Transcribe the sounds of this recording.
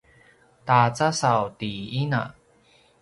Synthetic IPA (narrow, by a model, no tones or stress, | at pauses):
tat͡sasawtiina̰